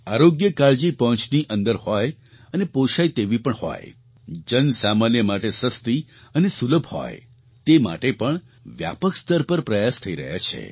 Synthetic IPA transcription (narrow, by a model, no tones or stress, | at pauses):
aɾoɡjəkaɭd͡ʒipɔɦt͡ʃniʔə̃nd̪əɾhɔj | ənepoʃajt̪eʋipəɳhɔ̰j | d͡ʒənsamanjəmaʈesəst̪iənesuləbʱhɔ̰j | t̪ema̰ʈepəɳ | ʋja̰pəkst̪əɾpəɾpɾəjast̪ʰəiɾə̰ɦja̰t͡ʃʰḛ